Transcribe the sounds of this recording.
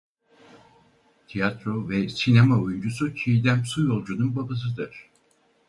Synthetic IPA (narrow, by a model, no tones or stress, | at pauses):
t̪ʰijat̪ɾovɛsinemaojund͡ʒusut͡ʃʰiid̪æmsujo̞lˠd͡ʒununbabas̬ɯd̪ɯɾ̥